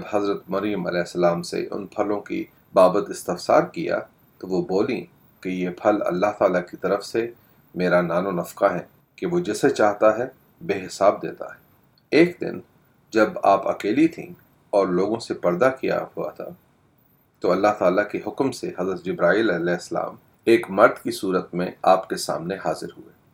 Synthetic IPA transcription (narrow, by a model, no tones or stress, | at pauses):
d͡ʒɐbhɐzɾət̪mɐɾjəmɐ̰lɛːɦsːɐlaːmsḛʔʊ̰npʰɐlõkḭ | baːbət̪ɪst̪ɪfsa̰ːɾkija̰ | t̪oʋoboːlĩ | kejepʰɐlɐ̰lːaɦt̪aːlakit̪ɐɾəfse | meːɾanaːnonɐfkaɦɛː | keʋod͡ʒɛset͡ʃaːɦt̪aɦɛ | beːɦɪsaːb̚d̪ḛːt̪a̰ɦɛː | eːkd̪ɪ̰n | d͡ʒɐba̰ːpɐ̰keːlit̪ʰḭ̃ | ɔːɾloːɡõsepɐɾd̪akija̰hua̰t̪ʰa̰ | t̪oɐlːaɦt̪aːlakeɦʊkmseɦɐzɾət̪d͡ʒɪbɾaːiːlɐlɛːɦɪsːəla̰ːm | eːkmɐɾd̪kisuːɾət̪mẽa̰ːpkesa̰ːmneɦaːzɪɾɦueː